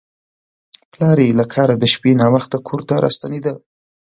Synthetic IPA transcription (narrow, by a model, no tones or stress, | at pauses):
plɑɾelakʰɑɾad̪əʃpenɑwəxt̪akʰoɾt̪aɾʔɑ̰st̪aned̪ə